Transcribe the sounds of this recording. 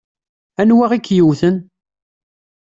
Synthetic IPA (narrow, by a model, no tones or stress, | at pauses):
ænwaʁikːjuwθən